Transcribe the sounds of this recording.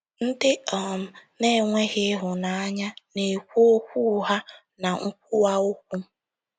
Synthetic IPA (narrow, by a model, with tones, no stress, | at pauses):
n̩˦dɪ˦ɔ˨m̩˨ne˦˨ŋʷe˦ɣɪ˦ɦʊ˨na˨a˦ɲa˦ne˨kʷu˦o˦kʷu˦ɦa˦ | na˨ŋ̩˦k̚ʷu˦a˦o˦kʷu˦m˦